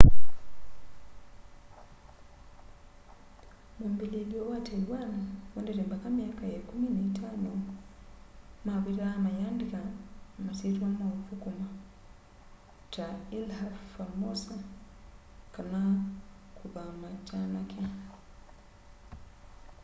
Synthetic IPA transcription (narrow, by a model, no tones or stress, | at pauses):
mumbililiowatʰaiwanawɛndɛɾɛmbakamiakajakuminaitʰano | maβiɾamajandikamasituwamavukuma | tailhafalmosa | kana | kuβamatanakʰe